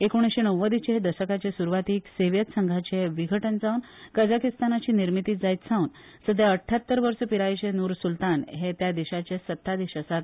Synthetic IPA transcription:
ekoɽ̃isɕenəwːəd̪it͡ɕeɦed̪əɕəkat͡ɕesuɾʋat̪iːkseʋjət̪səŋɡʱat͡ɕeʋiɡʱəʈənd͡zaunkəd͡zakist̪anat͡ɕiːniɾmit̪iːd͡zajt̪t͡sʰãuːn | səd̪ʱjaəʈʰːjat̪ːəɾʋəɾsəpiɾajt͡ɕenuɾsult̪anɦet̪jad̪iɕat͡ɕesət̪ːad̪iɕəsat̪̚

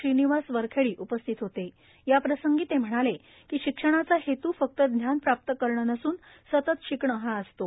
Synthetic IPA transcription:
iniʋasʋəɾkʰeɭiːʔupəst̪ʰit̪ɦot̪e | japɾəsəŋɡiːt̪em̤əɽ̃ale | kiːɕikʂəɽ̃at͡sahet̪uːfək̚t̪əd̪njanpɾap̚t̪əkəɾɳənəsuːn | sət̪ət̪ɕikɳəɦãəst̪o

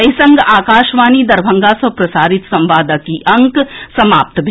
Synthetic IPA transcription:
ɐisɐ̃ŋɡaːkaːʃʋaːnid̪ɐɾbʱɐ̃ŋɡasɐpɾɐsaːɾɪt̪sɐ̃mʋaːd̪əkiʔɐ̃ŋksɐma̰ːp̚t̪bʱ

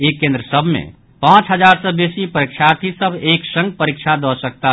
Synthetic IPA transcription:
ekːẽnd̪ɾəsəbʱmḛ | pãt͡ʃɦəd͡ʒaɾsə̃besipəɾikt͡ʃʰaɾt̪ʰisəbʱeksə̃ŋɡ̚pəɾikt͡ʃʰad̪ɔsək̚t̪a

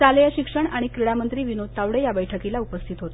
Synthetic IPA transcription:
t͡saləjaɕikʂəɳaɽ̃ikɾiɭamənt̪ɾiːʋinot̪ːaʋɽejabəjʈʰəkilaupəst̪ʰit̪ɦot̪o

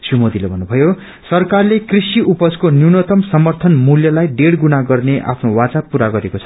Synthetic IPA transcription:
sumod̪ilebʱʌnːubʱʌjo | sʌrkarlekrisiupʌskonjunʌt̪ʌmsʌmʌrt̪ʰʌnmuljʌlajɖeɽɡunaɡʌrneʔa̰pʰnowat͡sapuɾaɡʌɾekot͡sʰʌ̥

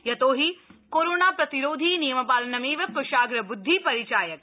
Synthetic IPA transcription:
jɐt̪oːɦikoːɾoːnaːpɾɐt̪iɾoːd̪ʱiːnijɐmɐpaːlɐnɐmeːʋɐkːɐʃaːɡɾɐbʊd̪ʱːipɐɾit͡ʃaːjɐk

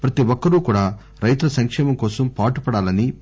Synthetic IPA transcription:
pɾɐt̪iʋɔkːɐɾuːkuːɽaː | ɾɐjt̪ɾɐsɐŋkʂɛːmɐmkɔːsɐmpaːʈupɐɽaːlɐni

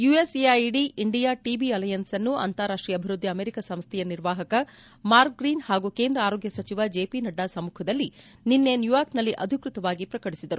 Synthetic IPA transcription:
juːesiɐjɖiʔiɳɖijaːʈiːbiɐlɐjɐnsɐnːuɐ̰nt̪aɾaːʂʈɾijɐbʱiɾud̪ʱːiɐmeːɾikɐsɐmst̪ʰɛjɐniɾʋaːɦɐkɐ | maːɾk̚ɡɾiːnhaːɡuːke̞ːnd̪ɾɐaːɾoːɡjɐsɐt͡ʃiʋɐd͡ʒeːpinɐɖːaːsɐmːuːkʰɐd̪ɐlːininːe̞njujaːɾknɐlːiʔɐd̪ʱikɾut̪ɐʋaːɡipɾɐkɐɽisid̪ɐɾu

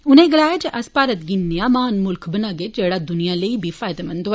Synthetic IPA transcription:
ʊnẽɡɐlaːjad͡ʒeʔɐspaːɾət̪ɡinːejamaːnmʊlkʰbɐnaːɡed͡ʒɛːɽad̪ʊnijaləibʱifaːjd̪emɐ̃nd̪o

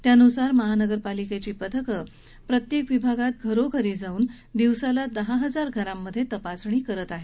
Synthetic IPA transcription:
t̪janusaɾməɦanəɡəɾpaliket͡ɕiːpət̪ʰəkə | pɾət̪jekʋibʱaɡat̪̚ɡʱəɾokʰəɾiːd͡zauːn | d̪iʋsalad̪əɦaɦəd͡zaɾɡʱəɾamːəd̪ʱːjet̪əpasɳ̃iːkəɾət̪aɦe

